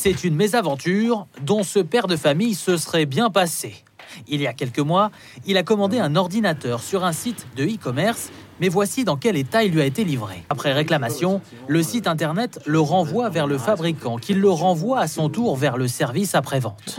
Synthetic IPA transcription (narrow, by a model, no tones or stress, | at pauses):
sɛt̪ynmezavɑ̃t̪yʁd̪ɔ̃səpɛʁd̪əfamijsəsχɛbjɛ̃pase | iljakʲɛlkəmwa | ilakɔmɑ̃d̪eɛ̃nɔʁd̪inat̪œʁsyʁɛ̃sit̪d̪əikɔmɛʁsmɛvwasid̪ɑ̃kʲɛlet̪ailːɥiaet̪elivʁḛapχɛʁeklamasjɔ̃ | ləsit̪ɛ̃t̪ɛʁnɛt̪ləʁɑ̃vwavɛʁləfabʁikɑ̃kʲilːəʁɑ̃vwaːsɔ̃t̪uʁvɛʁləsɛʁvisapχɛvɑ̰̃t̪